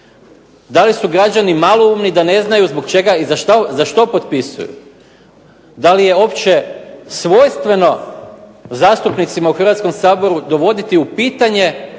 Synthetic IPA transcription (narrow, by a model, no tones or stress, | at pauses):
d̪alisuɡɾad͡ʑanimaloumnid̪ane̞znajuzbokt͡ʃe̞ɡaizaʃt̪azaʃt̪o̞po̞t̪pisṵjṵ | d̪alije̞o̞pt͡ɕe̞sʋo̞jst̪ʋe̞no̞ | zaːst̪upnit̪simauxr̩ʋat̪sko̞msaːbo̞ɾud̪o̞ʋo̞d̪it̪iupiːt̪aɲe̞